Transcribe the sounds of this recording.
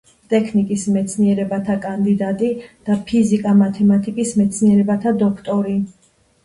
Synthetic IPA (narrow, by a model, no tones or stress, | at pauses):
t̪ʼɛkʰnikʼismɛt̪sʰniɛɾɛbat̪ʰakʼand̪id̪at̪ʼid̪̥apʰizikʼamat̪ʰɛmat̪ʼikʼismɛt̪sʰniɛɾɛbat̪ʰad̪ɔkʰt̪ʼɔɾi